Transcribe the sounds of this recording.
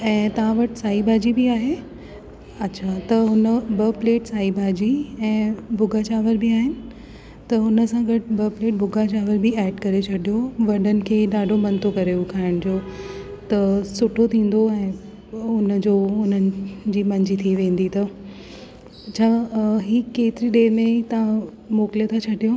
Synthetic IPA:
ɛ̃ːt̪ɐʋ̤ãʋɐʈɪ̥saːɦibʱaːd͡ʑibiaːɦe | ɐtːɕʰaːt̪ɐɦʊnəbɐpleːʈsaːɦibʱaːd͡ʑiɛ̃ːbʊɡʱat͡ɕaːʋəɾbʱɪaːɦɪnɪ̆ | t̪ɐɦʊnə̆sãɡɐʈɪbɐpleːʈ̚bʱʊɡʱat͡ɕaːʋəɾbiɛːɖkɐɾet͡ɕʰɐɗijoʋɐɖənɪ̆kʰeːɗaːɖʱomɐ̃nt̪ʰokɐɾeʊkʰaːɪɽ̃d͡ʑoː | t̪ɐsʊʈʰot̪ʰĩːn̆d̪oɛ̃ː | ʊnəd͡ʑoːʊnənɪd͡ʑiːmɐ̃ɲd͡ʑit̪ʰiʋẽːnd̪it̪ɐ | t͡ɕʰaːɦiːkeːt̪ɪɾiɗeːɾmẽt̪ɐã | moːkliət̪ʰat͡ɕʰɐɗijo

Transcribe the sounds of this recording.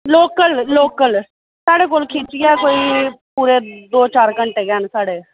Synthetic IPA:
loːkəlloːkəl | saːɽeːkoːlkʰiːt͡ʃɪjɛːkoːiːpuːɾeːd̪oːt͡ʃaːɾkəɳʈeːɡɛːnsaːɽeː

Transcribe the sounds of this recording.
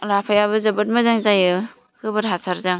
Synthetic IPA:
lapʰajaβɯzabɯt̚mazaŋzajɯ | kɯbɯɾɦasʰaɾzaŋ

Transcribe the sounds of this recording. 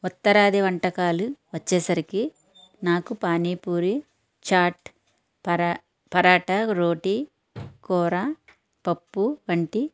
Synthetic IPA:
ut̪ːɐɾaːd̪iʋɐɳʈɐkaːluʋɐt͡ʃːɛːsɐɾiki | naːkupaːniːpuːɾi | t͡ʃaːʈ | pɐ | pɐɾaːʈɐɾoːʈi | kɔːɾa | pɐpːuʋɐɳʈi

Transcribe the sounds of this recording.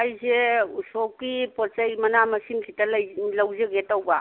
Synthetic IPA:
ajzesɔkipɔt͡ʃajmɐnamɐsimkʰitallawzeɡetawba

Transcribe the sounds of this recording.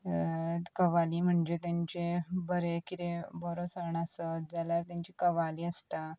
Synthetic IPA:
kəʋaliːm̤əɳd͡ʑet̪jaɲt͡ɕebəɾekit̪ebəɾot͡səɳəsəd͡zaljaɾt̪jaɲt͡ɕikəʋaliːəst̪a

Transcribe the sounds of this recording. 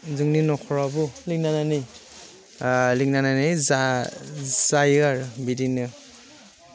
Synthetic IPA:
zɯŋninɔkʰɔɹabulik̚nanani | lik̚nananiza | zajaɾbidinɯ

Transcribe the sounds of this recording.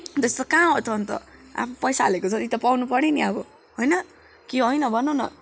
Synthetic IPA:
d̪est̪okãɦʌt͡s̪ʰʌnt̪ʌ̰a̰pʰʌpʌjsaɦːlekot͡sʰʌt̪it̪ʌpawnupʌrniniabʌ | ɦojnʌ | kiɦojnʌbʱʌnonʌ̰

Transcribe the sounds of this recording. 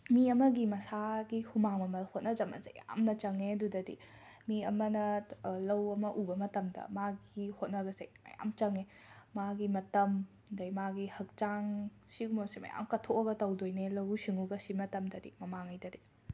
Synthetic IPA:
miɐmɐɡimɐsaɡihumaŋmɐmɐlhot̚nɐd͡ʒɐmɐ̰nzḛjja̰mnɐt͡ʃɐŋedudɐdḭ | miɐ̰mɐnɐlɐwɐmɐʔubɐmɐtɐmdɐ̰maɡihot̚nɐbɐzḛjmɐ̰ja̰mt͡ʃɐŋe | maɡimɐtɐm | dɐjmaɡihɐk̚t͡ʃaŋ | siɡumɐsemɐ̰ja̰mkɐtʰoɐɡɐtɐwdojnelɐwsiŋuɡɐsimɐtɐmdɐdḭmɐmaŋajdɐdi

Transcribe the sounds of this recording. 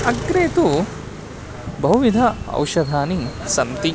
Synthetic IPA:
ɐɡɾeːt̪u | bɐɦuʋid̪ʱɐɐ̰wʃɐd̪ʱaːnisɐmt̪i

